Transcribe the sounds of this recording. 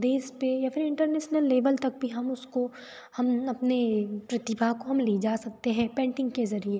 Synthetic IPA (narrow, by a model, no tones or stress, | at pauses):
d̪eːspejapʰɪɾɪ̃ɳʈəɾneːʃnəlːeːʋəlt̪ɐk̚bʱiɦɐmʊsko | hɐmɐpnepɾɐt̪ɪbʱaɦkoɦɐmlid͡ʒaːsɐk̚t̪eɦɛ̃pɛ̃ːɳʈɪ̃ŋɡkezɐɾie